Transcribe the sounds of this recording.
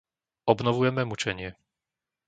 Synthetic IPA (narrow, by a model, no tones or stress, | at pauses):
ɔbnɔʋujɛmɛmut͡ʃɛɲɪɛ